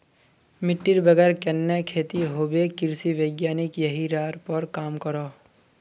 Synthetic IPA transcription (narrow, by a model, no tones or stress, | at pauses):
mɪʈːiɾbəɡɛːɾkɛnːekʰeːt̪iɦoːbekɪɾsiʋeːɡjaːnɪkjəɦiɾaːɾpəɾkaːmkəɾoː